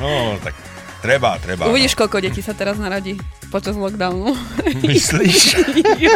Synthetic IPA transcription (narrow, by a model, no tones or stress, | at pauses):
nɔt̪a̰k | t̪ɾɛbat̪ɾɛba̰uʋiɟiʃkɔʎkɔɟɛcisat̪ɛɾaznaɾaɟipɔt͡ʃazlɔɡd̪aʊnumisliʃ